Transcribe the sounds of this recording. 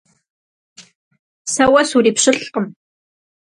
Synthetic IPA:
sɐwɐsuriːpɕɨɬqəm

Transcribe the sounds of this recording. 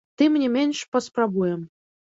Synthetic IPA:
t̪ɨmnʲimʲenʲʃpəsprabujɛm

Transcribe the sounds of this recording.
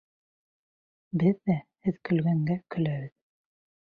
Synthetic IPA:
bɘðːæhɘðkɵ̆lɡæŋɡækɵ̆læβɘð

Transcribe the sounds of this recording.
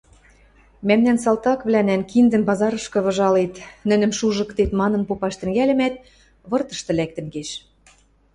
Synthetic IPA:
mæmnænsɑlt̪ɑkβlænænkind̪ɘ̆mpɑzɑɾɤ̆ʃkɤ̆βɤ̆ʒɑlet̪nɘ̆nɘ̆mʃuʒɤ̆kt̪et̪mɑnɤ̆npopɑʃt̪ɘ̆ŋɡælɘ̆mæt̪̚ | βɤ̆rt̪ɤ̆ʃt̪ɤ̆læk̚t̪ɘ̆mɡeʃ

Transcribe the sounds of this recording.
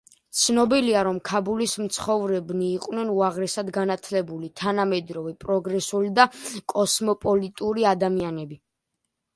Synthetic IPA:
t̪sʰnɔbiliaɾɔmkʰabulismt̪sʰχɔvɾɛbniːqʼwnɛnuaʁɾɛsad̪ɡanat̪ʰlɛbulit̪ʰanamɛd̪ɾɔvɛpʼɾɔɡɾɛsulid̪akʼɔsmɔpʼɔlit̪ʼuɾiad̪amianɛbi

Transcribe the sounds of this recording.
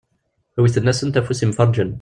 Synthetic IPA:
hæwiθənːæsənt̪æfusimfɑɾˤd͡ʒən

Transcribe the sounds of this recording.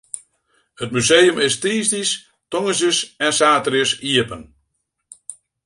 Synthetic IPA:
hət̚mysejəmɪstiːsdis | tɔŋəs̬əsɛnsaːtərjəsiəpən

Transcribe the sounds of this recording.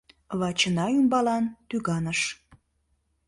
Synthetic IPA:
βɑt͡ɕənɑymbɑlɑnt̪yɣɑnəʃ

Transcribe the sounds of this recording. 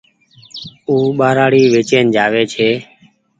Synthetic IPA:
uːɓaːɾaːɽiːʋeːt͡ʃeːnd͡ʒaːʋeːt͡ʃʰeː

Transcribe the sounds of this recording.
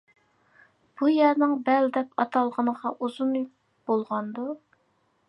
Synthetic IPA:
b̥ujɛɾnɪŋbɛld̪ɛpɑt̪ʰɑlˠʁənəʁɑʔuz̥un | b̥olˠʁɑnd̪u

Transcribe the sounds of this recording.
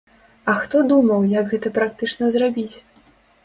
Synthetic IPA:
ɐxt̪ɔd̪umɐwjɐɡɣɛt̪ɐpɾak̚t̪ɨt͡ʂnɐzrabʲit͡sʲ

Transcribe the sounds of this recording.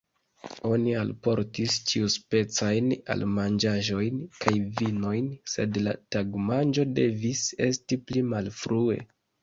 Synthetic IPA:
o̞nialpo̞ɾtist͡ʃiuspe̞t͡sajna̰lmand͡ʒaʒo̞jnkʰajvino̞jnse̞dla̰taɡmand͡ʒo̞de̞vise̞stiplimalfɾue̞̰

